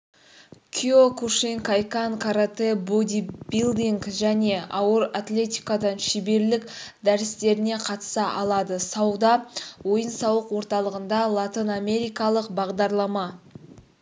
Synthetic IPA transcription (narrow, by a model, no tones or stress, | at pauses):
kʲʰiokuʃiŋkajkankʰaɾat̪ebod̪ibilˠd̪iŋkʒæne̞ɑwəɾat̪lʲe̞t̪ʲijkad̪ɑnʃibe̞ɾlɪkd̪æɾɪst̪e̞ɾɪne̞qʰɑt̪ə̥sɑʔɑlˠɑd̪əsɑwd̪ɑwo̞jənsɑwəqwo̞ɾt̪ɑlˠəʁənd̪ɑlˠat̪iname̞ɾijkɑlˠəqbɑʁd̪ɑɾlˠɑmɑ